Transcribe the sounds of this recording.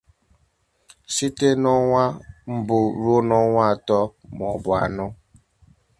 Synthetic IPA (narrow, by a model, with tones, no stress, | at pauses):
si˦te˦nɔ˦ŋʷa˦m̩˦bʊ˨ɾo˦nɔ˦ŋʷa˦a˨tɔ˦m˨ɔ˨bʊ˨a̰˨nʊ˦